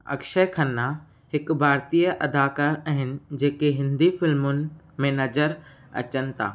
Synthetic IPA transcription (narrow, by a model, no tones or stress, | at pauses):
ɐ̰kʃəkʰɐnːa | hɪkbʱaːɾt̪ijəʔɐd̪aːkaːɾɐɦɪnɪ̆d͡ʑeːkeɦɪ̃nd̪ifɪlmʊnɪ̆ | mẽnɐd͡ʑəɾ | ɐ̰t͡ɕənɪ̆t̪ʰa̰ː